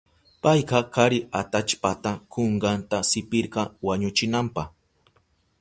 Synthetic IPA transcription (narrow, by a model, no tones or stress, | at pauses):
pɑjqɑkʰaɾɪat̪at͡ʃpat̪akoɴɢɑnt̪asɪpɪɾɢɑwaɲʊt͡ʃɪnampɑχ